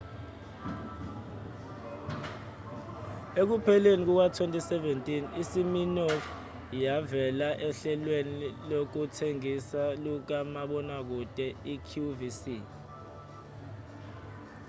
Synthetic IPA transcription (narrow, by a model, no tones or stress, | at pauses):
ek̬upʰɛlenik̬uk̬watʰwentʼisɛvɛntʼinisiminɔ | javɛlaʔɛɬɛlwenilok̬utʰeŋisaluk̬amaɓɔnak̬utʼɛikʰuvisi